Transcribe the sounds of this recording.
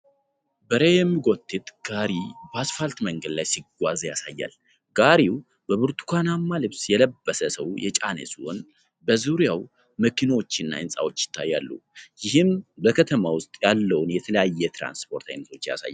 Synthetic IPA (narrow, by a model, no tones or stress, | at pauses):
bəɾejɛmːiɡot̪ʰʼːɨt̪ʼɡ̥aɾibasfalt̪məŋɡəd̪lajsiɡʷazjasajːa̰l | ɡaɾiw | bəβɨɾt̪ʰu̥kʰanamːalɨβsjɛləbːəsəsəwjɛt͡ʃʼanə̰suʔon | bəzuɾjaw | məkʰinawo̞t͡ʃːɪnːa̰ɨnsʼa̰wot͡ʃːjɪ̥t̪ʰːajːalːṵjɪhɨmbəkʰət̪ʰəmawʊst̪ʼjalːəwʊnjɛt̪ʰələjajːɛt̪ʰɾa̰nspʰo̞ɾt̪ʰa̰jnət̪ʰo̞t͡ʃːja̰sa̰jːal